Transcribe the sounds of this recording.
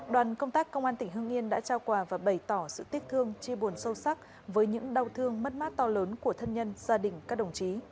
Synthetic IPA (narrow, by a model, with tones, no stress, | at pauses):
ɗwaː˨˩nkə˧wŋ͡mt̪aː˦˥kːə˧wŋ͡mʔaː˧nt̪ï˧˩ŋ̟ɦɨ˧əŋʔi˧ənɗa̰ː˧˥t͡ɕaː˧wkwaː˧˩vaː˨˩ɓə˨˧˩jt̪ɔ˧˩sɨ̰˧˨t̪i˦˥ət̪ʰɨ˧əŋt͡ɕi˧ɓo˨˩ənsə˧wsa˦˥k̚ | vəː˨˦jɲɨ̰˧˥ŋɗa˧˩wt̪ʰɨ˧əŋmə˦˥t̚maː˦˥t̚t̪ɔ˧ləː˨˦nku˧˩ət̪ʰə˧nɲə˧nzaː˧ɗï˨˩ŋ̟kaː˦˥k̚ɗə˧˩wŋ͡mt͡ɕi˨˦